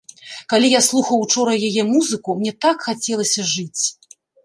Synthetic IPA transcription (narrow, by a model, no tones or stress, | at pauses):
kalʲijaslˠuxɐwt͡ʂɔɾɐjajɛmuzɨkumnʲɛt̪akxat͡sʲɛlˠɐsʲɐʐɨt͡sʲ